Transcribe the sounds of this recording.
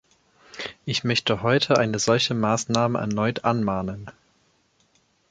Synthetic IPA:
ʔɪçmœçtʰəhɔʏtʰəʔaɪnəzɔlçəmaːsnaːməʔɛ̰ɐnɔʏtʰʔanmaːnən

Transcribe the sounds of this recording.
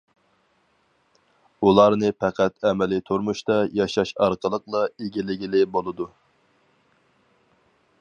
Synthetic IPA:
ulˠɑɾnɨpʰæqʰæt̪ɛmɛlɪt̪ʰoɾmuʃt̪ɑjɑʃɑʃɑɾqəlˠəqlˠɑeɡʲilɪɡʲilɪbolˠɨd̪u

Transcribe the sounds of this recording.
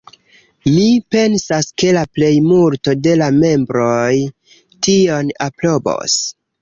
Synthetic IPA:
mipe̞nsaske̞laple̞jmulto̞de̞lame̞mbɾo̞j | tio̞napɾo̞bo̞̰s

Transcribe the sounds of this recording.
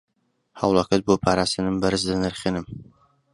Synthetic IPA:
hawlˠakɐt̪̚boːpʰaːɾaːst̪ɨnɨmbɐɾɨsd̪ɐnɐɾχenɨm

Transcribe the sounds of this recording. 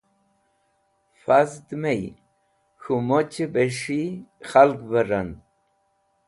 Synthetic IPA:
fazd̪mej | xumot͡ɕebeʂixalkbaɾan

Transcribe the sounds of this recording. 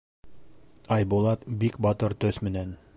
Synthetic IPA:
ɑjbulˠɑt̪bikbɑt̪ɤɾt̪ɵθmɘ̆næn

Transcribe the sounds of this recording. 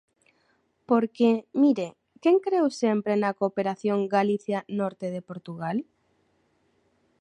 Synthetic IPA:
poɾkemiɾe | keŋkɾewsempɾenɐkopeɾaθjoŋɡaliθjanɔɾt̪eð̞epoɾt̪uɣal

